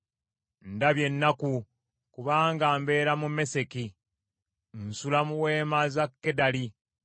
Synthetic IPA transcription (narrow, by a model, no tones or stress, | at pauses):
ndaβje̞nːaku | kuβaːŋɡaːmbe̞ːɾamume̞se̞ki | n̩sulamuweːmazakːedali